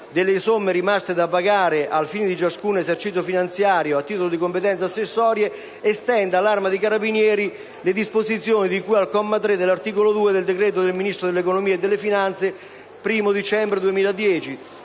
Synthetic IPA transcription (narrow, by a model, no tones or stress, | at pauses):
d̪elːesomːeɾimast̪ed̪apaɡaːɾeʔalfiːned̪it͡ʃaskuːnezert͡ʃit̪sjofinant̪sjaːɾjoat̪ːiːt̪olod̪ikompet̪ɛnsasːesːɔːɾje | est̪ɛnd̪alːarmad̪ikaɾabinjɛːɾi | led̪ispozit̪sːjoːnid̪ikujalkɔmːat̪ɾed̪elːart̪iːkolod̪uːed̪eld̪ekɾɛːt̪̬od̪elminist̪ɾod̪elːekonomiːed̪ːelːefinant̪se | pɾiːmod̪it͡ʃɛmbɾed̪uemiːlad̪jɛːt͡ʃi